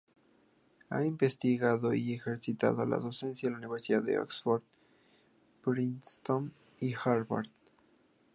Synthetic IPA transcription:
a̰imbest̪iɣaðoiexeɾsit̪a̰ðola̰ðosẽnsjalauniβeɾsiðaðeo̰ksfoɾd̪ | b̥ɾinst̪on | ixaɾβa̰ɾð

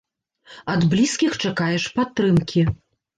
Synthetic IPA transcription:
ɐd̪blʲiskʲixt͡ʂakajɛʂpat̪ːɾɨmkʲi

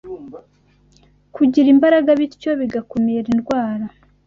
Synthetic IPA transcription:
kuɟiɾimbaɾaɡaβitco̞βiɡako̞meɾinɡwaːɾa

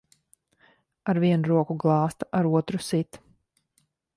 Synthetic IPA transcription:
aɾviɛnuɾuɔkuɡlˠɑːst̪aʔaɾuɔt̪ɾusit̪

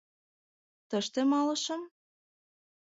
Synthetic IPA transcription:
t̪ə̆ʃt̪emɑlɤ̆ʃɤ̆m

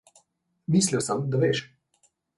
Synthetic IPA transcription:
mislʲiwsəmd̪aʋeːʃ

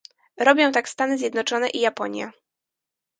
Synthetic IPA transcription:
ɾɔbʲjɔ̃w̃t̪akst̪anɘzʲjɛd̪nɔt͡ʂɔnɛʔijapɔɲja̰

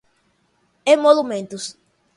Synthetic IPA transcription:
ẽmolumẽnt̪us

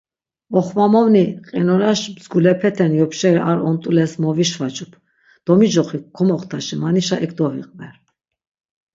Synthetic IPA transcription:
ɔχvamɔvniqʼɛnɔɾaʃmzɡulɛpʰɛt̪ʰɛnjɔpʃɛɾiʔaɾɔnt̪ʼulɛsmɔviʃvat͡ʃʼupʰ | d̪̥ɔmid͡ʒɔχikʰɔmɔχt̪ʰaʃimaniʃaʔɛkʰd̪ɔɦḭqʼmɛɾ

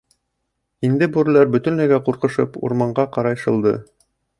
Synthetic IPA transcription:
ind̪ɘbʉɾlæɾbɵ̆t̪ɵ̆nnæɡæquɾqɤ̆ʃɤpṵɾmɑɴɢɑqɑɾɑjʃɤ̆lˠd̪ɤ̰

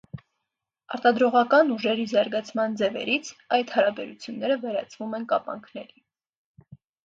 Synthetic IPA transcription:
ɑɾt̪ɑd̪ɾɔʁɑkɑnuʒɛɾizɑɾɡɑt͡sʰmɑnd͡zɛvɛ̰ɾit͡sʰɑjt̪hɑɾɑbɛɾut͡sʰjunːɛɾəvɛɾɑ̰t͡sʰvumɛnkɑ̰pɑ̰ŋkʰnɛɾi

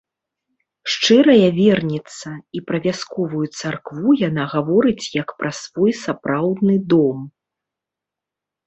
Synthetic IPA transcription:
ʂt͡ʂɨɾɐjɐvʲɛrnʲit̪sːɐipɾɐvʲaskɔvujut̪sarkvujanaɣavɔɾɨt͡sʲjɐkpɾʔɐsv̥ɔjsapɾawd̪nɨd̪ɔm

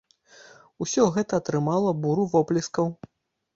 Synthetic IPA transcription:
usʲɔɣɛt̪ɐːt̪ɾɨmalˠɐbuɾuvɔplʲiskɐw

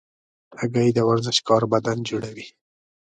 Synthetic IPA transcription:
aɡajd̪əwaɾzɪʃkɑɾbad̪and͡ʒuɽawi

